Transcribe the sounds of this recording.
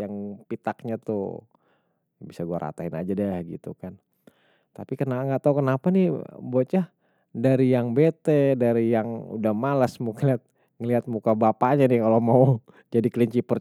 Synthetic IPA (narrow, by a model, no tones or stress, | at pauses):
jaŋpit̪ak̚ɲat̪ʊ̰ | bisaɡuaɾʔa̰t̪aɦɪna̰d͡ʒadahɡḭt̪ukan | t̪apikənaŋɡaʔt̪aukənapanɪbot͡ʃa | daɾijaŋbet̪edaɾijaŋṵdahmalasmukaliat̪̚ | ŋəliɦat̪̚mukabapaɲanɪkalomau | d͡ʒadikəliɲt͡ʃipər